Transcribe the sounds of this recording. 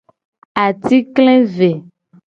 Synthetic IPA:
a˨t̪i˦kle˦ve˨

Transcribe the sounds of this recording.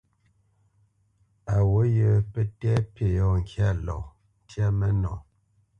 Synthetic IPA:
a˨wo˨˦jə˨pɛ˦tɛ˦pe˨jɔ˦˨ŋ̩˨kja˦˨lɔ̰˨ | n̩˦tja˦mɛ˦nɔ̰̃˨

